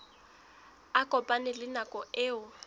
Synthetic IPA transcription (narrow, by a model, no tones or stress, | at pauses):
akʼɔpʼanɪlɪnakʼɔʔɪːʊ